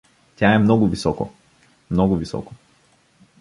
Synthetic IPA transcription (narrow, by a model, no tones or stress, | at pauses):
t̪ʲaɛmnɔɡʊvisɔko̰ | mnɔɡʊvisɔ̰ko̥